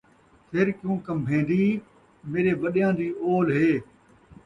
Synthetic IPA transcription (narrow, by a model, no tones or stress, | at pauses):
pʰeɾkjũːkəmbʱẽːnd̪iː | meːɾeːʋəɗɪjãːd̪iːʔoːlɦeː